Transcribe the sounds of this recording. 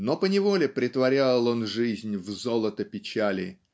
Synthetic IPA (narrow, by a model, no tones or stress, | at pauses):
no̞pənʲɪvo̞lʲɪpɾʲɪt̪vɐɾʲalˠo̞nʐɨzʲnʲvzolˠət̪əpʲɪt͡ɕælʲɪ̰